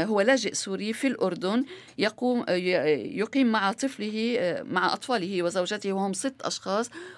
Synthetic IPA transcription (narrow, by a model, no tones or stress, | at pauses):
ɦʊwːalaːʒɪʔsuːɾifilʔʊɾd̪ʊn | jɑqː | jʊqiːmːaʕat̪ˤɨflɪɦɪmaʕaʔɑt̪ˤfɑːlɪhɪwɪzawʒat̪ɪhwɪhʊmsɪt̪ːʔɑ̰ʃxɑːsˤ